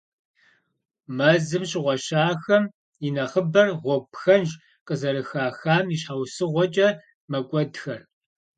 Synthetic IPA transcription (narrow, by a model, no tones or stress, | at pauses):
mɐzɨmɕɪʁʷɔɕaːxɐm | inɐχəbɐrʁʷɔpxɐnʒ | qəzɐɾɨxaːxaːmiɕħawsɨʁʷɔt͡ʃʼɐ | mɐkʷʼɔdxɐr